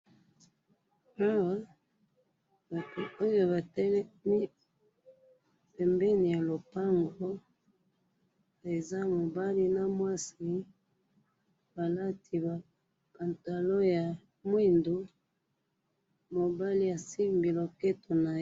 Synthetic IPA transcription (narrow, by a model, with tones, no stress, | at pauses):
a˦wa˦ | ba˨tu˨o˦jo˨ba˨tɛ˦lɛ˦mi˦ | pɛ˨mbɛ˦ni˨ja˨lo˨pa˦ŋɡo˦ | e˨za˦mo˨ba˦li˦na˦mwa˦si˦ | ba˨la˦tʰi˨ba˨ | pa˨nta˨lo˦ja˨ | mwi˦˨ndu˨˦ | mo˨ba˦li˦ja˨si˦mbi˨lo˨kɛ˦to˨na˨